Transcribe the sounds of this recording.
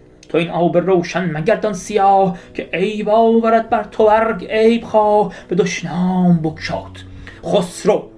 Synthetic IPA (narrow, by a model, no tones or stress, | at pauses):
t̪ʰoinʔɑːberowʃænmæɟæɾd̪ɒnsijɒːhkʰeʔejbɒːvæɾæd̪̚bæɾt̪ʰobæɾɡejbχɑːhb̥ed̪oʃnɒːmbokʃɑ̰ːt̪ | χosɾo